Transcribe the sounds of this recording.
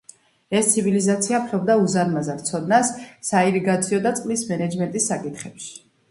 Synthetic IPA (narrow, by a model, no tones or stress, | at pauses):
ɛst̪sʰivilizat̪sʰiapʰɾɔbd̪auzanmazaɾt̪sʰɔd̪̚nasːaiɾiɡat̪sʰiɔd̪at̪sʼqʼlismɛnɛd͡ʒmɛnt̪ʼisːakʼit̪χɛpʃi̥